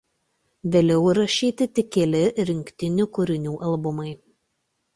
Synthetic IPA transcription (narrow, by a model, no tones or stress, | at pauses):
ʋʲeːlʲɛʊɾɐʃʲiːt̪ʲɪt̪ʲɪkʲelʲɪɾʲɪŋʲkʲt̪ʲɪnʲʊkʊɾʲɪnʲuːʔɐlˠbʊmɐɪ